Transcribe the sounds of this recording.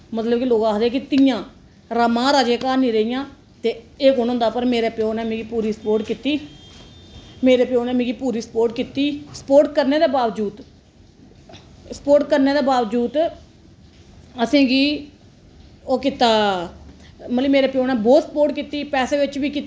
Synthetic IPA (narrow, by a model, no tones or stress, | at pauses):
mət̪ləbkiloːɡaːd̪eːkɪt̪ɪjãː | ɾəmãːɾaːd͡ʒeːkaːnĩːɾəijãː | t̪eː | eːkoːnõːnd̪aːpəɾmeːɾeːpɪoːnɛːmẽːɡiːpuːɾiːsəpoːɾʈkiːt̪iː | meːɾeːpɪoːnɛ̃ːmĩːɡiːpuːɾiːspoːɾʈ̚kiːt̪iːsə̥poːɾʈkəɾneːd̪eːbaːʋd͡ʒuːd̪ | sə̥poːʈkəɾneːd̪eːbaːʋd͡ʒuːd̪ | əsẽːɡiː | oːkɪt̪aː | mət̪liːmeːɾeːpɪjoːnɛːboːsəpoːʈkiːt̪iːpɛːseːʋɪt͡ʃʋiːkit̪